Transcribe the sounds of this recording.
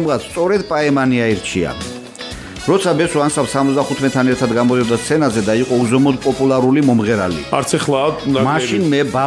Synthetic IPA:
mʁat̪st̪sʼɔɾɛd̪pʼaɛmaniaiɾt͡ʃʰḭa̰ | ɾɔt̪sʰabɛsuansafsamɔt̪sd̪aχut̪ʰmɛt̪ʰanɛɾt̪ʰad̪ɡamɔd̪iɔd̪ast̪sʰɛnazɛd̪aiqʼɔuzɔmɔd̪pʼɔpʼulˠaɾulimɔmʁɛɾalḭaɾt̪sʰɛχlˠaamaʃinmɛba

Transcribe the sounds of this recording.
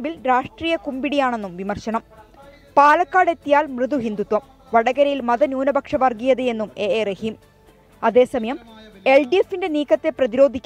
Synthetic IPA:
bilɾaːʂʈriːjɐkumbiɽijaːɳe̞nːumʋimɐrɕɐɳɐm | paːlɐkːaːɽe̞t̪ːijaːlmrɨðuɦind̪ut̪wɐm | ʋɐɽɐɣɐɾɐjilmɐðɐnuːnɐbʱɐkʂɐʋɐrɡijɐðɨjenːumeːeːrehim | ɐðe̞ːsɐmɐjɐme̞lɖiefːinde̞niːkːɐt̪ːe̞prɐðiɾo̞ːd̪ʱikʲː

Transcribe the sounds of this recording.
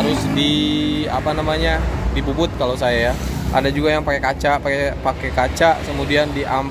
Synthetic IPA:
ɾʊsdia̰panamaɲadibubʊt̪̚kalosajajaʔa̰dad͡ʒuɡajaŋpakekat͡ʃaʔpakepakekat͡ʃaʔkəmudiandiʔam

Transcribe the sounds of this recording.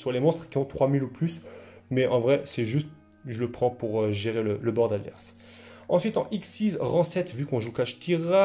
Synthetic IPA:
swalemɔ̃st̪χəkʲiɔ̃t̪χwamiluplys | mɛʔɑ̃vʁɛsɛʒyst̪̚ | ʒələpχɑ̃puʁøʒeʁelələbɔʁd̪ad̪vɛ̰ʁs | ɑ̃sɥit̪ɑ̰̃ʔiksːizʁɑ̃sɛt̪vykɔ̃ʒukaʃt̪iʁa

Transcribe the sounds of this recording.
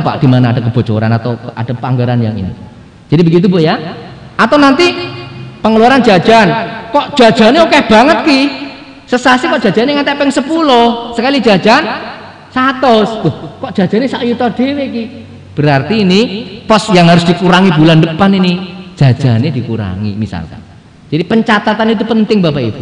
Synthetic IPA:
pa̰ʔd̥i̤manaːd̥a̤kəb̥o̤t͡ʃo̰ɾa̰nat̪aa̰d̥a̤paŋɡəɾanja̰ŋḭnḭ | d͡ʒ̥adibəɡit̪̬uboja | at̪awnant̪i | pəŋəluwaɾan̥d͡ʒ̥ḁʒ̥ankɔʔd̥ʒ̥a̤̥ʒ̥a̤neukɛb̥a̤ŋət̪̚ki | səsasikɔʔd̥ʒ̥a̤̥d͡ʒ̥a̤neŋant̪ɛʔpɛŋsəpulɔhsəkali̥d͡ʒ̥a̤̥d͡ʒ̥an | sat̪ɔsb̥ɔhkɔʔd̥ʒ̥a̤̥d͡ʒ̥a̤nesaʔjut̪ɔrɖ̥eweki | b̥əɾart̪iːnipɔsjaŋɦaɾʊsd̥ikuɾaŋibulandəpanini̥ʒ̥a̤̥ʒ̥a̤ned̪̥i̤kuɾa̰ŋḭmisa̰lka̰̥ | d͡ʒ̥adipəɲt͡ʃat̪at̪anit̪̬upənt̪ɪŋbapaḭbu

